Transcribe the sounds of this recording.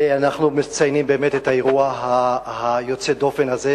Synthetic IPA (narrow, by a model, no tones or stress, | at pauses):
anaχnumet͡sajnimbe̞ːmet̪ethaeʁuaɦahajo̞t͡sed̪o̞fe̞naze